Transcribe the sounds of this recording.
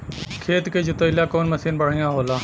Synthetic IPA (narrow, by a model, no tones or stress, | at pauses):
kʰeːt̪keːd͡ʒʊt̪oɪlaːkoːnməsiːnbəɽ̤ɳɪjãːɦoːlaː